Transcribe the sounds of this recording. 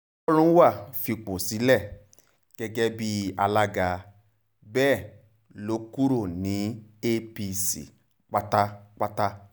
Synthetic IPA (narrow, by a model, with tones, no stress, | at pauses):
ɔ˦ɾũ˦wa˦˨fi˧k͡po˨si˨˦lɛ˦˨ | ɡ̥ɛ˧ɡɛ˧bi˧a˧la˧ɡa˨ | bɛː˦˨ | lo˧ku˦ɾo˦˨nĩ˨˦e˦pi˧sḭ˨ | k͡pa˦ta˦k͡pa˦ta˦